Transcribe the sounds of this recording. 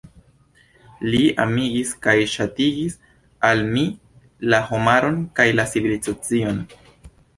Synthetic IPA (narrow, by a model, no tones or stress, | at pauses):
lia̰miɡiskajʃatiɡis | almi | lahomaɾo̞nkajlasiβilizat͡sio̞n